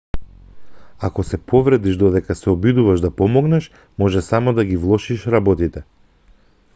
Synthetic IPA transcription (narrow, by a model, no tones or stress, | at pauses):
akɔsɛpʰɔvɾɛd̪iʒd̪ɔd̪ɛkasɛɔbid̪uvaʒd̪apɔmɔɡnɛʃ | mɔʒɛsamɔd̪aɡivlˠɔʃiʃɾabɔt̪it̪ɛ